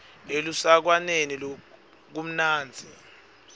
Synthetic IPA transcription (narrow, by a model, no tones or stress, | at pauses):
elusak̬wanenil | k̬um̩naːnd͡zʱi